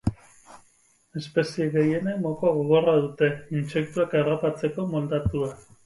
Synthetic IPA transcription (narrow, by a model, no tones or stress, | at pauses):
e̞spe̞sieɣe̞je̞nemokoaɣ̞oɣ̞o̞raðut̪e̞inse̞k̚t̪uakeropat͡se̞ko̞mo̞ld̪at̪ua